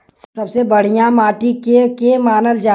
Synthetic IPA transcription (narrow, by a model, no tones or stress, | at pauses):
sɐbsebɐɽ̤ijãmaːʈikekemaːnəld͡ʒaː